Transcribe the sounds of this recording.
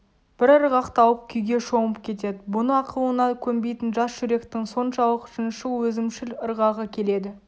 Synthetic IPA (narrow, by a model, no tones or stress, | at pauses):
b̥ɪɾəɾʁɑqt̪ʰɑwəp̚kʲʰʏjɡʲe̞ʃo̞ɴəpkʲʰe̞t̪e̞d̪ɪbʊnəɑqʰəlˠənɑkʲʰɵmbe̞jt̪ɪnʒɑsʒʏɾe̞kt̪ɪŋso̞nʃɑlˠəqʒ̥ɪnʃɪwɵzɪmʃɪləɾʁɑʁəkʲʰe̞le̞d̪ɪ